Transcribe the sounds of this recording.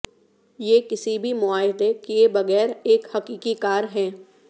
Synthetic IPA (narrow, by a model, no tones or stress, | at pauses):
jeːkɪsibʱimʊaːɦɪd̪ekijebɐɣɛːɾeːkhɐkiːkikaːɾɦɛ̃ː